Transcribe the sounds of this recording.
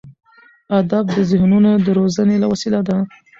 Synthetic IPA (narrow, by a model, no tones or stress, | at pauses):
ad̪ab̚d̪əzɪhnunod̪əɾozənelawasilad̪a